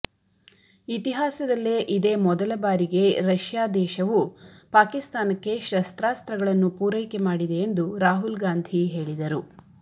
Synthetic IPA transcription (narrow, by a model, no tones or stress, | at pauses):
it̪iɦaːsɐd̪ɐlːeʔid̪e̞mɔd̪ɐlɐbaːɾiɡe̞ɾɐʃjaːd̪ɛːʃɐʋupaːkist̪aːnɐkːe̞ʃɐst̪ɾaːst̪ɾɐɡɐɭɐnːupuːɾɐjkemaːɽid̪e̞ːnd̪uɾaːɦulɡaːnd̪ʱiɦe̞ːɭid̪ɐɾu